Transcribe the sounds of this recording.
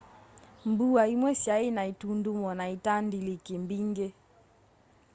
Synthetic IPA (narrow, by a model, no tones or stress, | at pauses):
mbuaimwɛsjainaitundumɔnaitandilikimbiŋɡɛ